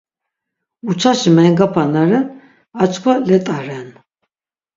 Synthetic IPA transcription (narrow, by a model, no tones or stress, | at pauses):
ut͡ʃʰaʃimɛŋɡapʰanaɾɛn | at͡ʃʼkʰwalɛt̪ʼaɾɛn